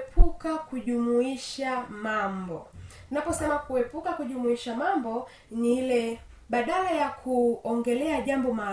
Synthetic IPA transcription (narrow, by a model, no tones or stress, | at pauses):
pʰukakuʄumuiʃamambɔ | napɔsɛmakuɛpukakuʄumuiʃamambɔ | ɲihilɛ | ɓaɗalajakʰuɔŋɡɛlɛaʄambɔma